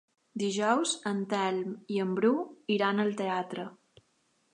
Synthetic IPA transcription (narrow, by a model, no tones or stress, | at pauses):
d̪iʒɔwzənt̪ɛlmiəmbɾuiɾanəlˠt̪eat̪ɾə